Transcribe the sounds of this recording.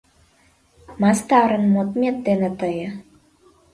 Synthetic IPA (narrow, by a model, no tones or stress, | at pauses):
mɑst̪ɑɾə̆nmot̪mʲet̪̚d̪enə̆t̪əjə̆